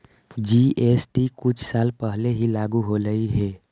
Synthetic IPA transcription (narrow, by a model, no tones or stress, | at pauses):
d͡ʒiesʈikut͡ʃʰsalpəɦleɦilaɡuɦoləiɦe